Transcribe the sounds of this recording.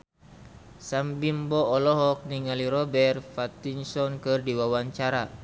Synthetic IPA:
sambimbɔːlɔɦɔk̚niŋaliɾɔbɛrfat̪insɔnkɨrdiwawaɲt͡ʃaɾa

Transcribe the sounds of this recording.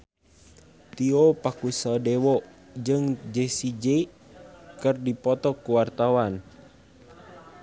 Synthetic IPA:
t̪iɔpakusadɛwɔ | d͡ʒɨŋd͡ʒesid͡ʒe | kərdipɔt̪ɔkuwart̪awan

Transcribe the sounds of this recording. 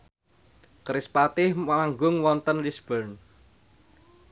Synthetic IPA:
kɾɪspat̪ɪhmaŋɡʊŋwɔnt̪ənlisb̥ɔn

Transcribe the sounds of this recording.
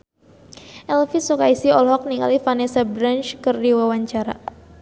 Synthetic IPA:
ʔɛlfisokaisiɔlɦɔk̚niŋa̰lifanɛsabɾant͡ʃkərdiwawaɲt͡ʃaɾa̰

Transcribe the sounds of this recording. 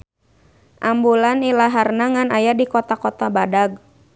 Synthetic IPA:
ʔambulanilaɦarnaŋanajadikɔt̪akɔt̪abadaɡ̚

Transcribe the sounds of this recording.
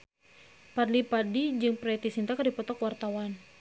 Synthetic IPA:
padlipadid͡ʒɨŋpɾɛt̪isint̪akardipɔt̪ɔkwart̪awan

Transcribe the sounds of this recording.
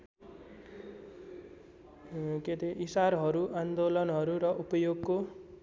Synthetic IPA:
ket̪eʔisaɾɦʌɾuʔand̪olʌnɦʌɾuɾʌʔupʌjoɡko

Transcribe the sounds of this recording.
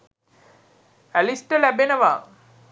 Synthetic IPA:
ælisʈəlæbenəʋaː

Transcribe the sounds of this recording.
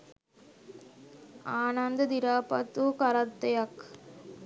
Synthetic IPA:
aːnɐnd̪ɐd̪iɾaːpɐt̪ːukɐɾɐt̪ːɐjɐk

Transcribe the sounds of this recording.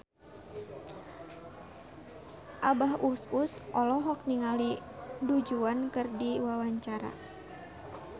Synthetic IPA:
ʔabaɦususʔɔlɔɦɔk̚niŋalidud͡ʒuankɨrdiwawaɲt͡ʃaɾa̰

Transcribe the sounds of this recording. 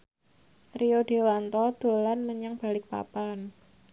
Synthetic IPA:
rioɖ̥ewant̪ɔd̪̥o̤lanməɲaŋb̥a̤lɪk̚pa̰pan

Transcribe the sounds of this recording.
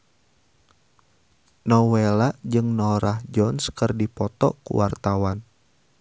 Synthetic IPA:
nɔwelaʔd͡ʒɨŋnɔɾahd͡ʒɔnskɨrdipɔt̪ɔ̰kṵwart̪awan

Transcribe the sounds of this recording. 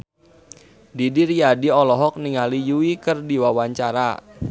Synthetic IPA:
didiɾijadiɔlɔɦɔk̚niŋalijuikərdiwawaɲt͡ʃaɾa̰

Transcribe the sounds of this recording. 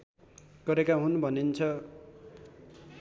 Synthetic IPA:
ɡ̥ʌɾekaɦunbʱʌnint͡sʰʌ

